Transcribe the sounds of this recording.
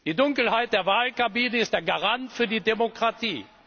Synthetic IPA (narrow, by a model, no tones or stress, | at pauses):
d̥iːdʊŋkl̩ɦaɪt̚d̥eːɐvaːlkabiːnəɪstd̥eːɐɡaʁantfyːɐdiːdemokʁ̥atiː